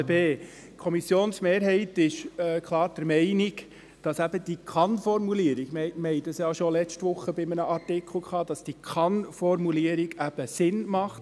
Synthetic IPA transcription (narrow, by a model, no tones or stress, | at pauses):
beː | kʰɔmisjoːnsmeːɾɦɛɪtɪʃkʰlˠɑːɾd̥əɾmɛɪniɡ | d̥ɑsæb̥əd̥ikʰɑnfɔɾmuliəɾiɡ̥mmɛɪtəsjɑːʃolɛt͡ʃtʋʊχːəbɪmənəʔɑɾtɪkʰl̩ˠkʰχɑːd̥ɑsd̥ikʰɑnfɔɾmuliəɾiɡæb̥əsɪnmɑχt